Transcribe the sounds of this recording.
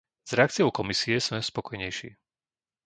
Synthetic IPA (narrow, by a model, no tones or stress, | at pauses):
z̥ɾɛakt͡sijɔʊkɔmisiɛsmɛspɔkɔjɲɛjʃḭː